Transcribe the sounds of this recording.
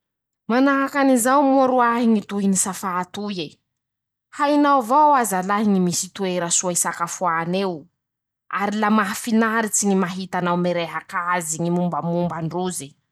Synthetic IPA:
manaɦakanizawmuaɾuaɦiŋit̪uɦinisafaːt̪uje | hainawvawazalaɦiɲimisit̪ueɾəsuaisakafuanew | aɾilamaɦfinaɾit͡siɲimaɦit̪anawmeɾeɦakaziɲimumbəmumbaɳɖ͡ʐuzi

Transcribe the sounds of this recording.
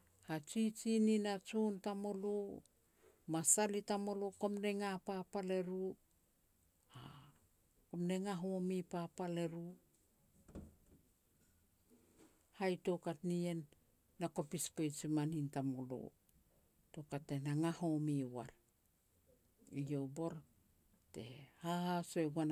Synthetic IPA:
hat͡ʃit͡ʃininat͡ʃontamo̞lo | masalitamo̞lokomne̞ŋapapale̞ɾu | a | komne̞ŋaɦomipapale̞ɾu | hajto̞katnie̞nː | ako̞pispojt͡ʃimanintamolo̰ | tokatːenaŋaho̞miwaɾ | ijo̞bo̞ɾ | te̞̰hahasoeɡuan

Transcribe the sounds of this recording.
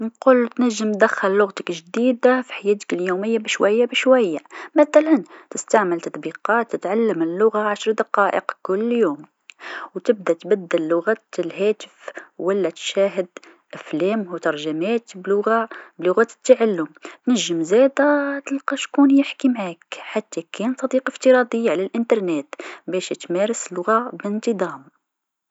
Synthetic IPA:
nqult̪næʒːəmd̪æxːəlːʊɣt̪əkʒd̪id̪afi̥ħajːæːt̪ə̥kljuməjːabəʃwæjːabəʃwæjːamæθælænt̪əst̪aʕməlt̪ɑt̪ˤbiqɑt̪ːət̪ʕalːəməlːʊɣaʕaʃɾˤd̪ɑqɑʔə̰qkʊlːjuːm | wt̪əb̚d̪æt̪bæd̪ːəlːʊɣæt̪əlhæt̪ə̥fwəlːæt̪ʃæɦəd̪ | ʔæflæmhwt̪ɑɾˤʒəmæt̪blʊɣablʊɣæt̪ə̥t̪ːaʕalːʊmt̪nəʒːəmzæd̪æt̪əlqɑʃkunjəħkimʕakħat̪ːækʰænt̪ˤɑd̪iqəft̪əɾˤɑd̪ˤəjːaʕlælʔənt̪ɑɾˤnet̪bæʃt̪mæɾəslʊɣabənt̪ˤəd̪ˤɑm

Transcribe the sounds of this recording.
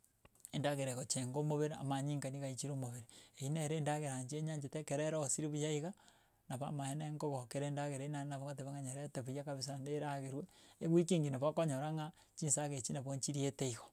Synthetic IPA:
endaɣeɾeɣot͡ʃeŋɡomoβeɾea̰maɲiŋkaniɣait͡ʃiɾomoβeɾeeineɾeːndaɣeɾaɲd͡ʒeɲaɲd͡ʒetekeɾeɾosiɾiβujaiɣa | naβa̰maheneŋɡoɣokeɾendaɣeɾeinanaβoŋateβaŋaɲoɾeteβujakaβis̬andeɾaɣeɾweeɣwikiŋɡinaβakoɲoɾaŋa | t͡ʃinsaɣet͡ʃinaβoɲt͡ʃiɾieteiɣo̥

